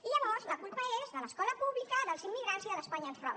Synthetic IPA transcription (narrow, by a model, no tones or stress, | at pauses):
iʎəβɔɾzləkulˠpəezðələskɔləpuβlikəðəlˠzimːiɣɾanziðəspaɲəːnfrɔβ